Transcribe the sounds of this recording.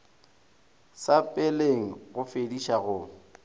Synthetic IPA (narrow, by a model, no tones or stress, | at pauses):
sapʼɪleŋ̩ɣʊfediʃaɣʊ